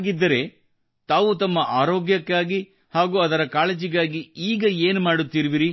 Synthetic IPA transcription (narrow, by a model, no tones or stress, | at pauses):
ɡid̪ːɐɾe̞ | t̪aːʋut̪ɐmːɐʔaːɾoːɡjɐkːaːɡi | haːɡuːɐd̪ɐɾɐkaːled͡ʒiɡaːɡiiːɡɐeːnumaːɽut̪ːiːɾiʋiɾi